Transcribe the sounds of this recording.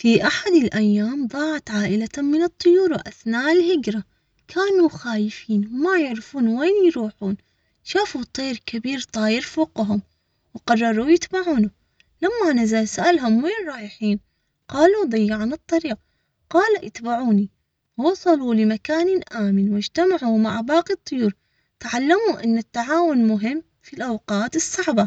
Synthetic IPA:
fiʔaħad̪ɪlʔajːaːmd̪ˤɑːʕat̪ʕaːʔɪlamːɪnɨt̪ˤːʊjuːɾwʔaθnaːʔɪlhɪɡɾa | kʰaːnuxaːjɪfiːnmajɪʕɾɪfuːnweːnjɾuːħuːn | ʃaːfut̪ˤiːɾkabiːɾt̪ˤɑːjɪɾfoːqɦʊm | wqɑrˤːɑɾˤujɪt̪baʕuːnʊ | lamːanazalsaʔalɦʊmweːnɾˤɑːjɪħiːn | qɑːlud̪ˤɑjːɪʕanɨt̪ˤːɑɾiːq̚ | qɑːlaʔɪt̪baʕuːni | wɑsˤɑlulɪmakaːnʔaːmɪnwɪd͡ʒt̪amaʕumaʕbɑːqit̪ˤːʊjuːɾˤ | t̪ʕalːamuʔɪnːɪt̪ːaʕaːwʊnmʊɦɪmː | filʔawqɑːt̪ɨsˤːɑʕba

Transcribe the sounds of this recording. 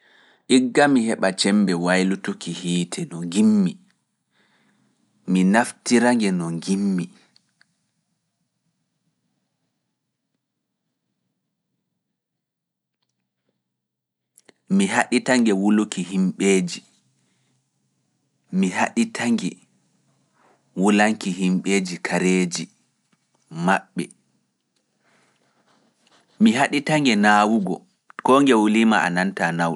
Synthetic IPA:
ʔiɡːamihɛɓat͡ʃɛmbɛwajlutokihiːtʰɛnɔŋɡimːi | minaftiɾaŋɡɛnɔŋɡimːi | miɦaɗitaŋɡɛwulukihimɓeːd͡ʒi | miɦa̰ɗitʰaŋɡɛ | wulaŋkiɦimɓeːd͡ʒikʰaɾeːd͡ʒi | maɓːɛ | miɦaɗitaŋɡɛnaːwuɡɔ̰ | kɔŋɡɛwuliːmaa̰nantanaw

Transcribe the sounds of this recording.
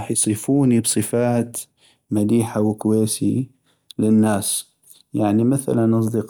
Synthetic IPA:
ħjsˤɨfuːnibsˤɨfaːt̪ | mad̪iːħawkʊweːsi | lɪnːaːs | jaʕnimaθa̰lanʔɑs̬ˤd̪ɪq

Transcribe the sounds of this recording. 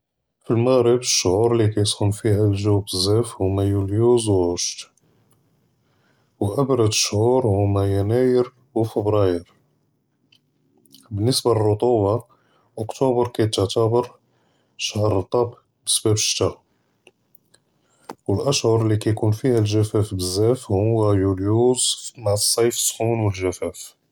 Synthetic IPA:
filməɣɾəbəʃːʕuɾlikæjsˤxʊmfihælʒuwbəzːæfhʊmːæjuljuzwʕʊʃt̪ | wʔæbɾˤɑd̪əʃːʕuɾhʊmːæjænæjəɾ | wfəbɾɑjəɾ | bənːəsbalrˤːʊt̪ˤuwɑ | ʔʊkt̪ubəɾˤkæjt̪əʕt̪æbəɾ | ʃahɾˤt̪ˤɑb | bə̥sbæbʃt̪æ | wəlʔæʃhʊɾˤlːikæjkunfihælʒæfæfbəzːæfhʊwːæjuljuzmaʕsˤːɑjfə̥sːxunwəlʒæfæf

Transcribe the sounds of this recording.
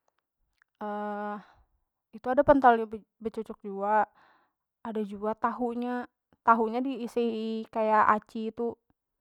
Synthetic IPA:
ə | it̪uadapənt̪alɲab | bət͡ʃɔt͡ʃɔk̚d͡ʒuaː | dad͡ʒuat̪aɦuɲa | t̪aɦuɲadiːsikajaʔat͡ʃiːt̪u

